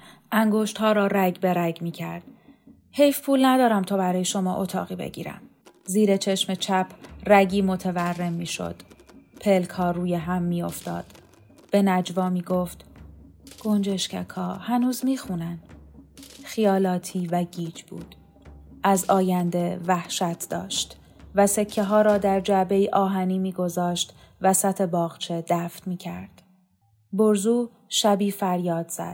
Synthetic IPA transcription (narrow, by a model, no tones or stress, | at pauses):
ʔæŋɡo̞ːʃt̪hɒːɾɒːɾæɡbe̞ɾæɡmiːcʰæɾd̪̥ | he̞jfpʰuːlnæd̪ɒːɾæmt̪ʰɒːbæɾɒːje̞ʃo̞mɒ̰ːʔo̞t̪ʰɒ̰ːɣiːbḛɟḭːɾæ̰m | ziːɾe̞t͡ʃʰe̞ʃme̞t͡ʃʰæpʰræɟiːmo̞t̪ʰeværːe̞mːiːʃo̞̰d̪̥pʰe̞lkʰhɒːruːjeɦæmːiːo̞ft̪ɒ̰ːd̪̥ | b̥e̞næd͡ʒvɒːmiːɡoft̪ | ɡ̥o̞nd͡ʒe̞ʃcʰækʰɒːhænuːzmiːxuːnæn | xijɒːlɒːt̪ʰiːvæɟiːd͡ʒb̥ṵːd̪̥ | ʔæzɒːjænd̪e̞væhʃæt̪ʰd̪ɒ̰ːʃt̪ | væse̞cʰːeɦɒːɾɒːd̪æɾd͡ʒæʔbe̞iʔɒːɦæniːmiːɡo̞zɒːʃt̪ | væsæt̪ʰe̞bɒːɣt͡ʃʰe̞d̪æːft̪miːcʰæ̰ɾd̪̥ | boɾzuː | ʃæbiːfæɾjɒːd̪z̥æ̰d̪̥